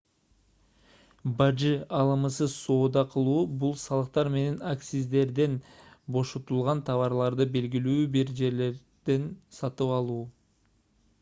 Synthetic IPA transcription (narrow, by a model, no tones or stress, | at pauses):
bɑd͡ʒɨɑlˠɯmɯsɯso̞ːd̪ɑqʰɯlˠuːbulˠsɑlˠɯq̚t̪ɑɾme̞ne̞naksizd̪e̞ɾd̪e̞nbo̞ʃot̪ulˠʁɑnt̪ʰɑβɑɾlˠɑɾd̪ɯbe̞lɡilyːbiɾd͡ʒe̞ɾle̞ɾ | d̪̥e̞nsɑt̪ɯpɑlˠuː